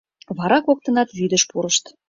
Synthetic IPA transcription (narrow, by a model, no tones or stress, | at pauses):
βɑɾɑkok̚t̪ɤ̆nɑt̪βyid̪ə̆ʃpuɾəʃt̪